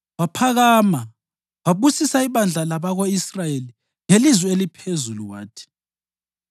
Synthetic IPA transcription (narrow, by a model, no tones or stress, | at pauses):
wapʰaɣaːma | waβusisaiβand͡ɮʱalaβaɣoisrajeli | ŋelizwɛelipʰezuluwa̰ːtʰi̥